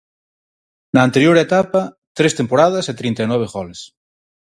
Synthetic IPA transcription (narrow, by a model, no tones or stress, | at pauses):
naːnt̪eɾjoɾet̪apa | t̪ɾest̪empoɾað̞ɐset̪ɾint̪ajnwɔβ̞eɣɔles